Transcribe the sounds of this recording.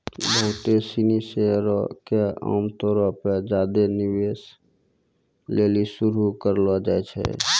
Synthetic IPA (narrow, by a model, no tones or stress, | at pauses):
bɔ̃ːt̪esiniseɾokea̰ːmt̪ɔːɾaped͡ʒaːd̪enɪweːs | leːlisʊɾukəɾlad͡ʒaːet͡ʃʰɛ̰